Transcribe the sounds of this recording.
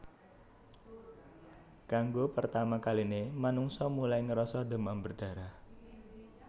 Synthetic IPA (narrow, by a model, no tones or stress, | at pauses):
kaŋɡopərt̪amakalinemanuŋsɔmulajŋəɾɔsɔd̪ə̤mambərd̪̥ä̤ɾah